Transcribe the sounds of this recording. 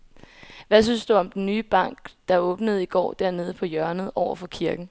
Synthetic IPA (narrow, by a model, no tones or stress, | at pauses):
ʋæs̬yn̰sd̥uɒ̽md̥enːyːb̥ɑ̈ŋ̰ɡ̥d̥ɑ̈ɔ̽ːb̥nəð̞̩ˠiɡ̥ɒ̰ːd̥æɐne̝ð̞ˠəpʰɒ̽jɶɐnð̩ˠɒʊ̰ɐfɒ̽kʰiɐɡ̥n̩